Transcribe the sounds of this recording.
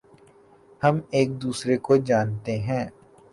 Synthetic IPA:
hɐmeːk̚d̪uːsɾekod͡ʒaːnt̪eɦɛ̃ː

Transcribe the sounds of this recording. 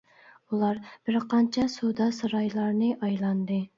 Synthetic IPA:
ulˠɑɾb̥ɪɾqɑnt͡ʃʰɑsud̪ɑsɨɾɑjlˠɑɾnɨʔɑjlˠɑnd̪ɨ

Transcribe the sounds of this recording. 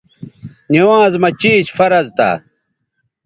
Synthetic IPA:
niwãːzmɐt͡ɕiːɕfɐɾɐzt̪a̰ː

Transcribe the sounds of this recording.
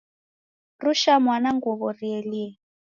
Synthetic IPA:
ruʃamwanaŋɡɔβɔriɛliɛ

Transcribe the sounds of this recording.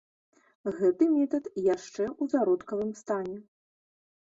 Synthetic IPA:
ɣɛt̪ɨmʲɛt̪ɐt̪jaʂt͡ʂɛwzaɾɔt̪kɐvɨmst̪anʲɛ

